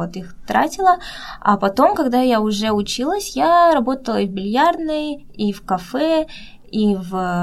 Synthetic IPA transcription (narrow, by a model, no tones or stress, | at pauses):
ot̪ixt̪ɾa̰tʲɪlˠə | ɐ̰pɐt̪o̞mkɐɡd̪ajaʊʐɛʊt͡ɕilˠəsʲjaɾɐbo̞t̪əlˠəvbʲɪlʲjarnɨj | ifkɐfɛ | iv